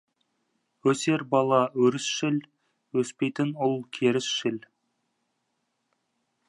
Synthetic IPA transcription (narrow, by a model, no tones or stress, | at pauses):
wɵse̞ɾbɑlˠɑwɵɾɪsʃɪl | wɵspe̞jt̪ɪnʊlˠkʲʰe̞ɾɪsʃɪl